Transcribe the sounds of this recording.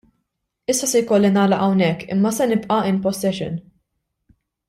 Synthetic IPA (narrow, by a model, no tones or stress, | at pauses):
ɪsːɐsɛjkɔlːinɐːlɐʔɐwnɛkːɪ̰mːɐsɛnɪpʔɐɪnpɔsɛʃɪ̰n